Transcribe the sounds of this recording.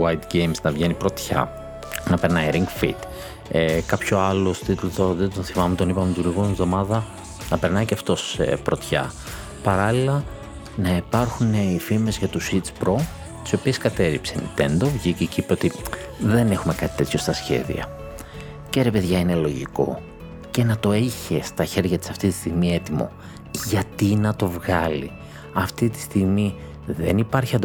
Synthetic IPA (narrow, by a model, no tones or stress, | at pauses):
wɐjt̪ɡejmznɐvʝe̞nipɾo̞t̪çɐ̰ | nɐpe̞ɾnɐiɾiŋɡfḭt̪ | ekɐpço̞ɐlo̞sot̪it̪ulot̪oðed̪onθimɐmet̪o̞nipɐmet̪uɾiɣunizðo̞mɐðɐ | nɐpe̞ɾnɐiceɐft̪o̞sḛpɾo̞t̪çɐ̰ | pɐɾɐlilɐ | nɐipɐɾxuneifime̞zʝɐt̪usit͡spɾo | t̪i̥so̞pie̞skɐt̪e̞ɾipsenḭnt̪e̞nd̪o̞vʝiceceipeot̪i | ðe̞ne̞xume̞kɐt̪i̥t̪e̞t̪ço̞st̪ɐsçe̞̰ðḭɐ̰ | ceɾe̞pe̞ðʝɐine̞lo̞ʝḭko̞̰ | ce̞nɐt̪o̞eçest̪ɐçe̞ɾʝɐt̪i̥sɐft̪it̪i̥st̪iɣmie̞t̪imo̞̰ | ʝɐt̪inɐt̪o̞vɣɐlḭ | ɐft̪it̪i̥st̪iɣmi | ðe̞nipɐɾçiɐnd̪